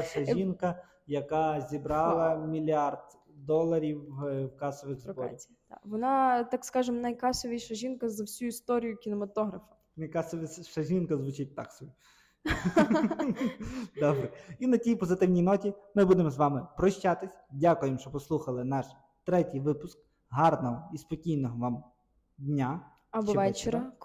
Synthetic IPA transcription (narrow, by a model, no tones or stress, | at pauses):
ʃɐʒinkɐ | jɐkɑzʲibɾɑlˠɐmʲilʲiɑrd̪ | d̪ɔlˠɐɾʲiwwkɑsɔʋɪɣzbɔɾ̰ʲ | a̰ʋɔnɑt̪ɑkskɑʒɪmnɐjkɑsɔʋʲiʃɐʒʲinkɐzɐwsʲuist̪ɔɾʲijʊkʲinɔmɐt̪ɔɦɾɐfɐ̥ | nɐjkɑsɔʋʲiʃɐʒʲinkɐzʋʊt͡ʃɪt̚ʲt̪ɑ̰ksɔʋʲi | d̪ɔbɾɛinɐtʲijpɔzɪt̪ɪwnʲijnɔtʲimɪbud̪emɔzʋɑmɪpɾɔʃt͡ʃat̪ɪsʲdʲakʊjemʃt͡ʃɔpɔslˠuxɐlˠɪnɑʃ | t̪ɾɛtʲijʋɪpʊsk̚ | ɦɑrnɔɦɔispɔkʲijnɔɦɔʋɑm | d̪ʲnʲa | ɐbɔʋɛt͡ʃeɾɐ